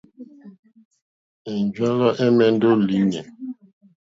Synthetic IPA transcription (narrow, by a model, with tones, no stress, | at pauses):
e˨n˨d͡ʒwa˦lɔ˦ʔɛ˦mɛ˦n̩˦do˦li˨˦ɲe˨